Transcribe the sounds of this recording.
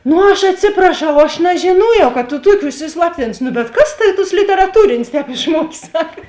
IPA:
nʊ ˈɐʃ ɐtʲˈsʲɪprɐˌʃɐʊ ˈɐʃ nʲɛʒʲɪˈnoːjɛʊ kɐ tʊ ˈtuɔkʲeː ʊʃʲsʲɪsˈlˠɑːpʲtʲɪnʊs ˈnʊ bʲɛt ˈkɐs ˈtɑːʋʲɪ toːs lʲɪtʲɛrɐˈtuːrʲɪnʲeːs ˈtʲɛːp ɪʃˈmuɔkʲeː ˈsɑːkɐ

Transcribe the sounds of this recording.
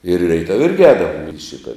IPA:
ɪr rʲɛɪˈtɐw ˈɪrʲɡʲɪ ˈɛːdɐʋoːm ɪr ɪ ˈʃʲɪtɐ

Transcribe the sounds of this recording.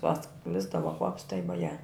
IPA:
pɐˈsklʲɪzdɐʋoː kʋɐps tɐɪ ʋoːˈjɛ

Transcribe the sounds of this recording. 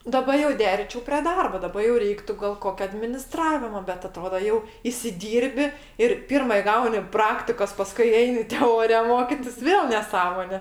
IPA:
dɐˈbɐ jɛʊ ˈdʲæːrʲɪiːt͡ʃʲɛʊ pʲrʲeː ˈdɐrboː ˈdɑːbɐ jɛʊ ˈrʲɛɪktʊ ɡɐlˠ ˈkoːkʲɛ ɐdʲmʲɪnʲɪˈstrɑːʋʲɪmoː bʲɛt ɐˈtroːdoː jɛʊ ɪsʲɪˈdʲiːrʲbʲɪ ɪr ˈpʲɪrmɐ ɪˈɡɐʊnʲɪ ˈprɑːktʲɪkoːs ˈpɑːskʊɪ ˈɛɪnʲɪ tʲɛˈoːrʲɪjɛ ˈmoːkʲɪtʲɪs ˈʋʲeːlˠ nʲɛˈsɑːmoːnʲɛ

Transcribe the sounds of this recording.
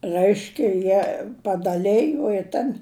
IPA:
ˈrɜɪʃʲkʲɛ ˈjiɛ pɐdɐˈlʲæːjoː ɪ ˈtɐn

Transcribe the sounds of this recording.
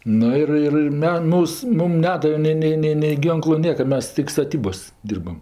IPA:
ˈnʊ ɪr ˈɪr ɪr ˈmʲɛ ˈmuːs ˈmʊm ˈnʲæːdɐʋʲɛ ˈnʲɛɪ ˈnʲɛɪ ˈnʲɛɪ nʲɛɪ ˈɡʲiːŋklˠʊ ˈnʲiɛkɐ ˈmʲɛs tʲɪk stɐˈtʲiːboːsʲ ˈdʲiːrbɐm

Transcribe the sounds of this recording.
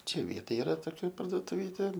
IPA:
ˈt͡ʃʲɛ ˈʋʲiɛtoːj ɪˈrɐ toːˈkʲɛ pɐrduɔtʊˈʋʲiːtʲeː

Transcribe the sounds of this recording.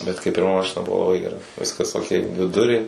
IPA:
bʲɛt kɐɪp pʲɪrˈmɐ ˈmɑːʃʲɪnɐ ˈbʊʋoː lˠɐˈbɐɪ ɡʲɛˈrɐ ˈʋʲɪskɐs oːˈkʲɛɪ dʲʋʲɪˈdʊrʲeː

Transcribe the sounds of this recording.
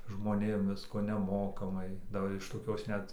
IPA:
ʒmoːˈnʲeːm ˈʋʲɪskoː nʲɛˈmoːkɐmɐɪ dɐˈbɐr ɪʃ toːˈkʲoːs ˈnʲɛt

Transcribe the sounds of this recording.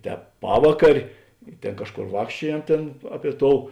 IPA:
ˈtʲɛːp ˈpɑːʋɐkɐrʲeː ɪ ˈtʲeːn ˈkɑːʃˌkoːr ˈʋɑːkʃʲt͡ʃʲuɔjɛm ˈtʲeːn ˈɑːˌpʲiɛ ˈtoːʊ

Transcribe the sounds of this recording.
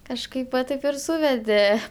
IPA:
kɐʃˈkɐɪp ʋɐ ˈtɐɪp ɪr ˈsuːʋʲɛdʲeː

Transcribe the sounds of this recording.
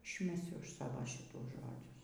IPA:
ɪʃʲmʲɛˈsʲʊ ˈɐʃ ˈsɑːʋoː ˈʃʲɪtuː ˈʒoːd͡ʒʲʊs

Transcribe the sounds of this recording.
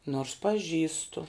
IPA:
noːrs pɐˈʒʲiːstʊ

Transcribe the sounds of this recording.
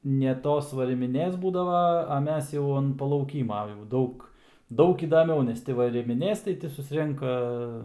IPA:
nʲɛ ˈtoːs ʋɐrʲɪmʲɪˈnʲeːs ˈbuːdɐʋɐ ɐ ˈmʲɛs jɛʊ ɐn pɐlˠɐʊˈkʲiːmɐ jɛʊ ˈdɐʊk ˈdɐʊk iːdɐˈmʲɛʊ nʲɛs ˈtʲɪ ʋɐrʲɪmʲɪˈnʲeːs tɐɪ ˈtʲɪ sʊsʲˈrʲɛŋkɐ

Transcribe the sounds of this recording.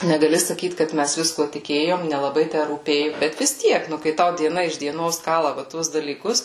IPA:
nʲɛɡɐˈlʲɪ sɐˈkʲiːt kɐt ˈmʲæs ˈʋʲɪskuɔ tʲɪˈkʲeːjoːm nʲɛlˠɐˈbɐɪ ˈtʲæ ruːˈpʲeːjʊ ˈbʲɛt ʋʲɪs ˈtʲiɛk ˈnʊ kɐɪ ˈtɐʊ dʲiɛˈnɐ ɪʃ dʲiɛˈnoːs ˈkɑːlˠɐ ʋɐ ˈtuɔs dɐlʲiːˈkʊs

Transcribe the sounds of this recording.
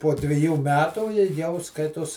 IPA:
poː dʲʋʲɪˈjuː ˈmʲæːtuː ɪ jɛʊ ˈskɐɪtoːs

